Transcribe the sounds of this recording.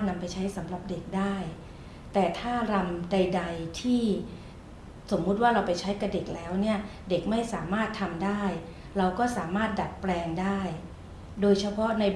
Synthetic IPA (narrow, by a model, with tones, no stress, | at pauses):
na˧mpa˧jt͡ɕʰa˦˥jsa˩˦mɾa˨˩p̚de˨˩k̚daː˥˩j | t̪ɛː˨˩t̪ʰaː˥˩ɾa˧mda˧jda˧jt̪ʰiː˥˩ | so˩˦mːu˦˥t̪̚waː˥˩ɾa˧wpa˧jt͡ɕʰa˦˥jka˨˩p̚de˨˩k̚lɛː˦˥wni˥˩ɐde˨˩k̚ma˥˩jsaː˩˦maː˥˩t̪ʰːa˧mdaː˥˩j | ɾa˧wkɔː˥˩saː˩˦maː˥˩t̪̚da˨˩t̪̚plɛː˧ŋdaː˥˩j | doː˧jt͡ɕʰa˧pʰɔ˦˥na˧j